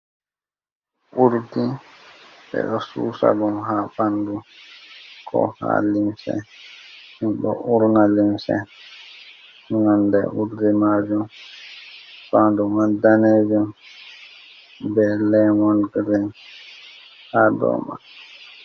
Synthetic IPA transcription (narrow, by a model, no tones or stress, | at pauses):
ʔuɾdi | bɛ̰ɗɔsṵːsa̰ɡɔmhaɓandu | kʰɔ̰ha̰limsɛ̰ | hinɗɔ̰ʔuɾnalimsɛ̰ | hunandɛ̰ʔuɾdimaːd͡ʒum | sandumandaneːd͡ʒum | bɛlɛmɔnɡɾin | hadɔ̰ma̰